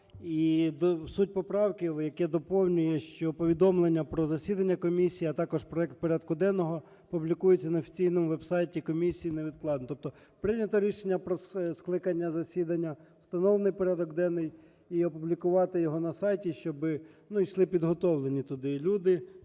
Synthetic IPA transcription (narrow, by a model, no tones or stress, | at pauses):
id̪sutʲpɔpɾɑwkʲiwjɐkɛd̪ɔpɔwnʲʊjɛʃt͡ʃɔpɔʋʲid̪ɔmlˠenʲːɐpɾɔzɐsʲid̪ɐnʲːɐkɔmʲisʲijiɐt̪ɑkɔʒpɾɔɛk̚t̪̚pɔɾʲɑd̪kʊd̪ɛnɔɦɔ | publʲikujet͡sʲːɐnɐɔːfʲi̥t͡sʲijnɔmʊʋɛbsɑjtʲikɔmʲisʲijineʋʲid̪̚klˠɑd̪nt̪ɔp̚t̪ɔ | pɾɪnʲɐt̪ɔɾʲiʃenʲːɐpɾɔssklˠɪkɐnʲːɐzɐsʲid̪ɐnʲːɐw̥st̪ɐnɔlenɪjpɔɾʲɑd̪ɔkd̪ɛnːɪj | iɔpublʲikʊʋɑt̪ɪjɔɦɔnɐsɑjtʲiʃt͡ʃɔbɪ | nuiʃlˠɪpʲid̪ɦɔt̪ɔwlˠenʲit̪ʊd̪ɪlʲud̪ɪ